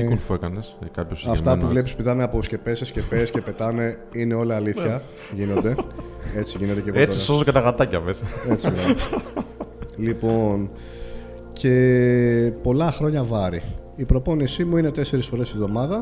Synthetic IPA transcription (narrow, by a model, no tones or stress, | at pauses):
ofuekɐneskɐpçosɐft̪ɐpuvle̞p̬ispiðɐneɐposce̞pesesce̞pesce̞pe̞t̪ɐne̞ | ine̞o̞liɐliθçɐ | ʝino̞d̪e̞ | e̞t͡siʝinet̪eceɣoesisozoket̪ɐɣɐt̪ɐcɐveset͡sivɐls | lipo̞n | cʰe̞ | po̞lɐxɾo̞ɲɐvɐɾi | ipɾo̞po̞nisimuinet̪e̞se̞ɾisfo̞ɾesivðo̞mɐðɐ